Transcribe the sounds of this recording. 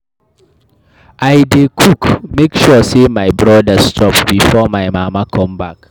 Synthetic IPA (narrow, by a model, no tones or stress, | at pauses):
ʔajdekʰukmekʃɔsemajbɹɔdastɔp̚bifɔmajmamakʰɔ̃mbak